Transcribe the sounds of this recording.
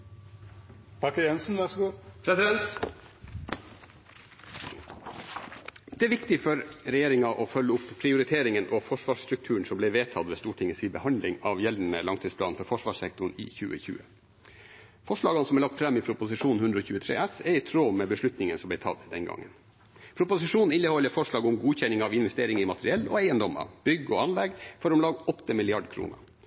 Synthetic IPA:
pʰɑkːəjɛnsn̩ʋæsɡuːpʰɾɛsɪd̪ɛnt̪ | d̪ɛæɾʋɪkt̪ɪfɔɾɾɛjeːɾɪŋɑʔɔfœlːəʊpːʰɾɪʊɾɪt̪ʰeːɾɪŋənʔɔfɔʂʋɑːʂst̪ɾʉk̚t̪ʰʉːɳ̩sɔmblɛɪʋeːt̪ʰɑd̪ʋeːst̪uːʈʰɪŋəsiːbəhɑnd̪lɪŋɑʋjɛln̩əlɑŋt̪ʰiːd̪spʰlɑːnfɔɾfɔʂʋɑːʂsɛk̚t̪ʊɳ̩ḭːçʉ̰ːə̰çʉ̰ːə | fɔʂɭɑːɡɑnəsɔmæɭɑk̚t̪fɾɛmːɪpʰɾʊpʊsɪʂuːnn̩hʉnd̪ɾəɔçʉːət̪ʰɾḛːʔɛsɛɾɪt̪ʰɾoːmɛbəʂɭʉt̪nɪŋənsɔmb̪ɛɪt̪ʰɑ̰d̪d̪ɛnɡɑ̰ŋːən | pʰɾʊpʊsɪʂuːnn̩ɪnːəhɔlːəfɔʂɭɑːɡɔmɡuːçɛnɪŋɑʋɪnʋɛst̪eːɾɪŋɪmɑt̪ʰəɾɪɛlːɔ̰æɪənd̪ɔmə̰b̥ʏɡəɔɑnlɛɡfɔɾɔmlɑːɡɔt̪ːəmɪlɪɑɖkʰɾṵːnə̰

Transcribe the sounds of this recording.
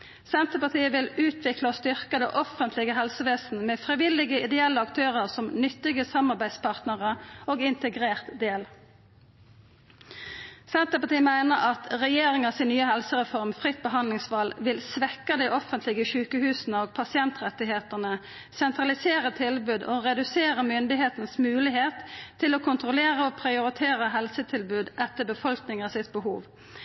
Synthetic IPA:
sɛnt̪əpɑt̪ʰiːəʋɪlʉːt̪ʰʋɪklɑst̪ʏʁkəd̪ɛʔɔfənt̪lɪɡəɦɛlsəʋeːsn̩meːfʁiʋɪlɪɡəɪd̪ɛɛlːəɑkt̪ʰøːʁəʁsɔmnʏt̪ːɪɡəsɑmɑʁbæɪspɑʁt̪nəʁəoːɡɪnt̪əɡʁeːʁt̪d̪eːl | sɛnt̪əpɑt̪iːəmæɪnəʁɑt̪ʁɛjeːʁɪŋɑsɪnːyːəɦɛlsəʁɛfɔʁmfʁɪt̪̚bəɦɑnd̪lɪŋsʋɑlʋɪlsʋɛkːəd̪iɪʔɔfənt̪lɪɡəʃʉːkəhʉːsn̩əoːɡ̚pʰɑsɪɛnt̪ʁɛt̪ːɪɦeːt̪ənə | sɛnt̪ʁɑlɪseːɾət̪ʰɪlbʉːd̪oːʁɛd̪ʉseːʁəmʏnd̪ɪheːt̪nsmʉːlɪɦeːt̪ʰːɪloːkʰʊnt̪ʁʊleːʁəoːpʰʁɪʊɾɪt̪ʰeːɾəɦɛlsət̪ʰɪlbʉːd̪ʔɛt̪ːəbəfɔlknɪŋɑsɪt̪̚bəhṵːʋ

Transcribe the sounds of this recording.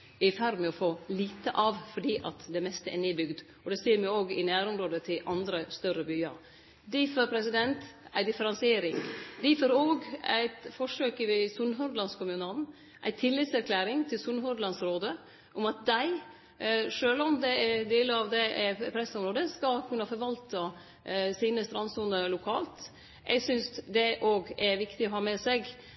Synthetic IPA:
ɪfæɾmɛɔfoːliːt̪əʔɑʋfɔɖiːʔɑ̰t̪d̪ɛmɛst̪əʔɛneːbʏɡd̪ | ɔd̪ɛseːɾmɪoːɡɪnæːɾɔmɾoːd̪ət̪ʰɪlʔɑnd̪ɾəst̪œɾəbyːə̰ɾ | d̪ɪfoːɾpʰɾɛsɪd̪ɛnt̪ʔæɪd̪ɪfəɾɑnsɪeːɾɪŋd̪ɪfoːɾoːɡæ̰ɪt̪fɔʂøːkəʋɪsʉnɦɔd̪lɑnskʰʊmʉnɑln | ʔæ̰ɪt̪ʰɪlːɪt̪sæɾkʰlæːɾɪŋt̪ʰɪlsʉnɦɔd̪lɑnsɾoːd̪ə | ʔɔmɑt̪̚d̪æɪ | ʂøːlɔmd̪ɛɛd̪eːləɾɑʋd̪ɛʔɛpʰɾɛsːɔmɾoːd̪əskɑkʰʉnːəfɔɾʋɑlt̪ə | siːnəst̪ɾɑnsuːnəlʊkʰɑ̰ːlt̪ | ʔɛ̰ɡsʏnsd̪ɛʔoːɡɛɾʋɪkt̪ɪɔhɑːmɛsɛɡ

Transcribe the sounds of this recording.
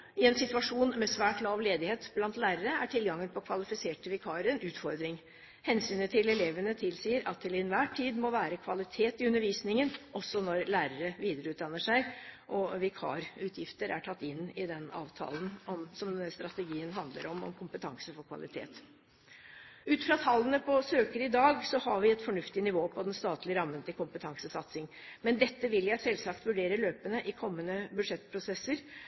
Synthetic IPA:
ɪɛnsɪt̪ʉʋɑʂuːnmɛsʋæːʈlɑːʋleːd̪ɪheːt̪blɑnt̪læːɾəɾəæʈʰɪlɡɑŋːənpʰɔkʰʋɑlɪfɪseːʈəʋɪkʰɑːɾəɛnʉːt̪fɔɾd̪ɾɪŋ | hɛnsyːnət̪ʰɪlɛleːʋənət̪ʰɪlsiːəɾɑt̪ːʰɪlɪnʋæːʈʰːiːd̪mɔʋæːɾəkʰʋɑlɪt̪ʰeːt̪ɪʉnəɾʋiːsnɪŋənʔɔsːɔnɔɾlæːɾəɾəʋiːd̪əɾəʉːt̪d̪ɑnːəʂæɪʔɔʋɪkʰɑ̰ːɾʉːt̪ʰjɪft̪əɾʔæ̰ʈʰɑt̪ːɪnːɪd̪ɛnɑ̰ːʋt̪ʰɑ̰ːlənɔmsɔmst̪ɾɑt̪ɛɡiːənɦɑnd̪ləɾɔmɔ̰mkʰʊmpət̪ʰɑŋsəfɔɾkʰʋɑ̰lɪt̪ʰḛːt̪ | ʉːt̪fɾɑt̪ʰɑlːənəpʰɔsøːkəɾɪd̪ɑːɡsɔhɑɾʋɪɛt̪fɔɳʉft̪ɪnɪʋoːpʰɔd̪ɛnst̪ɑːt̪lɪəɾɑmːənt̪ɪlkʊmpət̪ʰɑŋsəsɑt̪sɪŋ | mɛnd̪ɛt̪ːəʋɪljæɪsɛlsɑkt̪ʋʉɖeːɾəløːpənəʔɪkʰɔmːənəbʉʂɛt̪ːpʰɾʊsɛsːəɾ

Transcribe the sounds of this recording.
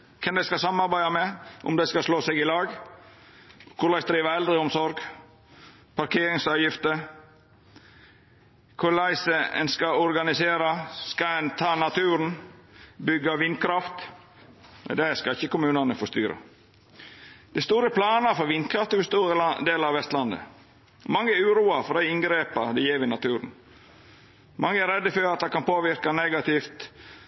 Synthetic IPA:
kʰɛmd̪ɛɪskɑsɑmɑɾbæɪɑmɛʔʊ̰md̪ɛɪskɑsloːsɛɡɪlɑːɡ | kʰʊɾlæɪsd̪ɾiːʋəɛld̪ɾəʊmsɔɾɡ | pʰɑɾkʰeːɾɪŋsɑːʋjɪft̪ə | kʰʊɭæɪsəɛ̰nskɑɔɾɡɑnɪseːɾɑskɑɛnt̪ʰɑːnɑt̪ʰʉːɾn | bʏɡːɑʋɪnkʰɾɑft̪ | ɛ̰d̪æskɑɪçːəkʊmʉːnɑnəfɔst̪yːɾə̰ | d̪̥æɪst̪uːɾəpʰlɑːnɑfɔɾʋɪnkʰɾɑft̪əbəst̪uːd̪eːləɑʋɛst̪lɑnd̪ə̰ | mɑŋːəæʉːɾuːɑfɔd̪æɪɪŋɡɾeːpɑd̪ɛjeːʋɪnɑt̪ʰʉːɾn̩ | mɑŋːəæɾɛd̪ːəføɾɑt̪̚d̪ɑkɑnpoːʋɪɾkɑnɛɡɑt̪ɪft̪

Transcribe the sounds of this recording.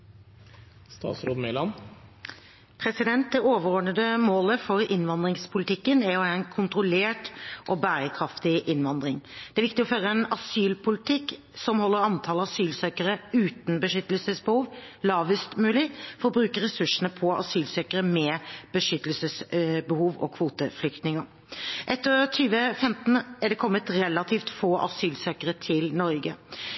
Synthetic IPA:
st̪ɑ̰ːt̪sɾoːd̪mɛlɑn | pʰɾɛsɪd̪ɛnt̪̚d̪ɛoːʋəɾɔːɖɳəd̪əmoːləfɔɾɪnʋɑnd̪ʁɪŋspʰʊlɪt̪ʰɪkːənæɾɔæːɛnkʰʊnt̪ɾʊleːʈʔɔbæːɾəkʰɾɑft̪ɪʔɪnʋɑnd̪ɾɪŋd̪ɛæʋɪk̚t̪ɪɔføːɾəɛnɑsyːlpʰʊlɪt̪ʰɪkː | sɔmhɔlːəɾɑnt̪ʰɑːləɑsyːlsœkəɾəʉːt̪n̩bəʂʏt̪əlsəsbəhuːʋ | lɑːʋəst̪mʉːlɪfɔɾɔbɾʉːkəɾɛsʉʂənəpʰɔɑ̰syːlsœkəɾəmɛb̥əʂʏt̪ːəlsəsbəhuːʋɔ̰kʰʋuːt̪əflʏkt̪nɪŋə | ʔɛt̪ːəɾt̪ʰyːʋəfɛmt̪n̩æɖɛkʰɔmːət̪ɾɛlːɑt̪ʰiːft̪foːʔɑ̰syːlsœkəɾət̪ʰɪlnɔɾɡə

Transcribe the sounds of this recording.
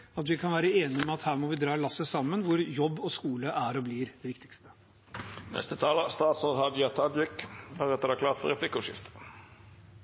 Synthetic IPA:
ɑt̪ʋɪkʰɑnʋæːɾəeːnɪmɛɑt̪hæːɾmɔʋɪd̪ɾɑːlɑsːəsɑmːənʋʊɾjɔbːɔskuːləʔæɾɔblɪɾd̪̥ɛʋɪkt̪ɪ̥kst̪ə̥ | nɛ̰st̪ət̪ʰɑːləst̪ɑːt̪sɔhɑd̪ɪɑt̪ʰɑd̪jɪkdæɾɛt̪ːəd̪æklɑːʁt̪fɔ̰ɾɛpʰlɪkːʊʂɪ̰ft̪ə̥

